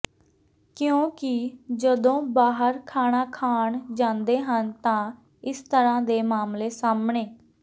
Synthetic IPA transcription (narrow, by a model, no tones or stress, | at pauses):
kɪjõːkɪd͡ʒəd̪õːbaːɦəɾkʰaːɳaːkʰaːɳd͡ʒãːnd̪eːɦənt̪ãː | ɪst̪əɾãːd̪eːmaːmleːsaːmɳeː